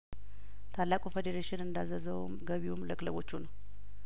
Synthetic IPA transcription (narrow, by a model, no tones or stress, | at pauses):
t̪ʰalːakʼufed̪eɾeʃɪnɨnd̪azəzəwmɡəβiwumləkʼləβo̞t͡ʃːunəw